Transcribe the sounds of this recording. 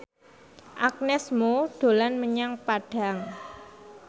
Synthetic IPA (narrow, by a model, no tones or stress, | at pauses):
ʔak̚nɛsmoɖ̥o̤lanməɲaŋpaɖ̥a̤ŋ